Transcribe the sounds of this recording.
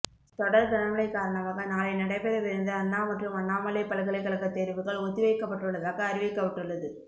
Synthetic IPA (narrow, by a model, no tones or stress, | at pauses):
t̪ɔɽɐɾd̪ɐnɐmɐɭɐɪkːaːɾɐɳɐʋaːɣɐnaːlɐɪnɐɽɐɪpːɛɾɐʋɪɾɯnd̪ɯɐnːaːmɐʈrɯmɐnːaːmɐlɐɪpːɐlɐɣɐɭɐɪkːɐɭɐɣɐt̪ːeːɾʋɯɣɐɭɔt̪ːɪʋɐɪkːɐpːɐʈːɯɭːɐðaːɣɐːɾɪʋɐkːɐpːɐʈːɯɭːɐðɯ